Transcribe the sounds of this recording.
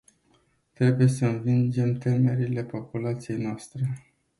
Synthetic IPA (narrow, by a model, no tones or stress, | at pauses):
t̪ɾe̞buje̞səɨnvind͡ʒe̞mt̪e̞me̞ɾile̞po̞pulat̪sije̞jnoast̪ɾe̞